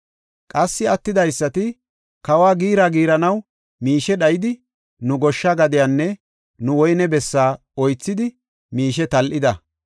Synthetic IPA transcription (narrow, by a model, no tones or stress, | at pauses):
kʼɐsːɪɐt̪ːɪd̪ɐjsːɐt̪ɪ | kɐwaːɡiːɾaːɡiːɾɐnɐw | miːʃɛɗɐjɪd̪ɪ | nʊɡɔʃːaɡɐd̪ɪjanːɛ | nʊwɔjnɛbɛsːaː | ɔjt͡sːɪd̪ɪ | miːʃɛt̪ɐlʔɪd̪ɐ